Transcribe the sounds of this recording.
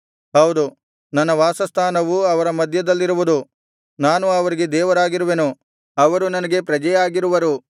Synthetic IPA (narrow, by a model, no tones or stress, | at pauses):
ɦɐwd̪u | nɐnːɐʋaːsɐst̪ʰaːnɐʋuɐʋɐɾɐmɐd̪ʱjɐd̪ɐlːiɾuʋud̪u | naːnuɐʋɐɾiɡe̞d̪ɛːʋɐɾaːɡiɾuʋe̞nu | ɐʋɐɾunɐnɐɡe̞pɾɐd͡ʒɐjaːɡiɾuʋɐɾu